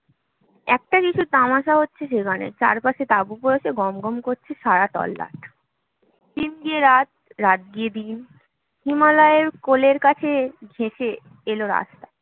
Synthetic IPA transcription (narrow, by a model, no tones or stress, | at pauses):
ɛk̚ʈakit͡ɕʰut̪amaʃaɦotːɕʰeʃ̬eɡanḛt͡ɕa̰ɾpaʃet̪abupɔɾeʃeɡɔmɡɔmkoɾt͡ɕʰeʃaɾat̪ɔ̰lːa̰ʈ̚ | t̪inɡieɾat̪̚ɾat̪̚ɡied̪in | himalɔeeɾkoleɾkat͡ɕʰeɡʱeʃe | eloɾa̰st̪a